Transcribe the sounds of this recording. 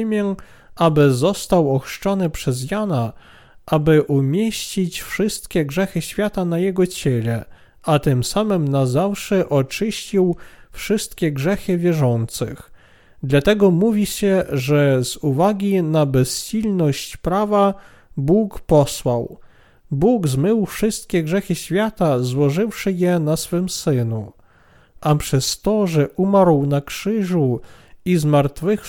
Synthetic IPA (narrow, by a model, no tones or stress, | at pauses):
mʲjɛ | abɘzɔst̪awɔxʂt͡ʂɔnɘpʂɛzjana | ʔabɘʔumʲjeɕt͡ɕit͡ɕfʂɘst̪kʲɛɡʐɛxɘɕfʲjat̪anajɛɡɔt͡ɕɛlɛ | ʔat̪ɘmsamɘmnazafʂɛʔɔt͡ʂɘɕt͡ɕiwfʂɘst̪kʲɛɡʐɛxɘvʲjɛʐɔnt̪sɘ̰x | d̪lat̪ɛɡɔmuvʲiɕɛʐɛz̥uvaɡʲinabɛsɕilnɔɕt͡ɕpɾava | bukpɔswaw | buɡzmɘwfʂɘst̪̚kʲɛɡʐɛxɘɕfʲjat̪azwɔʐɘfʂɘjɛnasfɘmsɘnu | ʔapʂɛst̪ɔʐɛʔumaɾwnakʂɘʐu | izmaɾt̪fɘx